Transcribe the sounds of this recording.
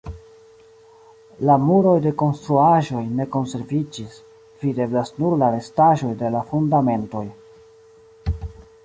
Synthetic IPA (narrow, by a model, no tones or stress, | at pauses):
lamuɾo̞jde̞ko̞nstɾuaʒo̞jne̞ko̞nse̞ɾvid͡ʒis | v̥ide̞blasnuɾlaɾe̞staʒo̞jde̞lafundame̞nto̞j